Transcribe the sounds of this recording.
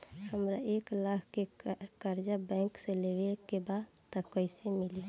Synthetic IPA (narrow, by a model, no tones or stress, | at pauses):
həmɾaʔeːklakʰkekəɾd͡ʒabɛ̃ːŋksẽlewekebad̪ | t̪ɔkəɪsemɪli